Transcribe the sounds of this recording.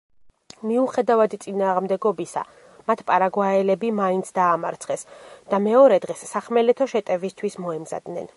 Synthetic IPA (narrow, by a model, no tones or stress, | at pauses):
miuχɛd̪avad̪t̪sʼinaːʁmd̪ɛɡɔbisa̰ | mat̪ʰpʼaɾaɡwaɛlɛbimaint̪sʰd̪aːmaɾt̪sʰχɛsd̪̥amɛɔɾɛd̪ʁɛsːaχmɛlɛt̪ʰɔʃɛt̪ʼɛvist̪ʰwismɔɛmza̰d̪nɛn